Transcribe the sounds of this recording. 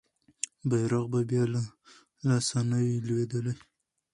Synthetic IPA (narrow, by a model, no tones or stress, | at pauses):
bajɾaqbabjɑla | lasanawilwed̪əlaj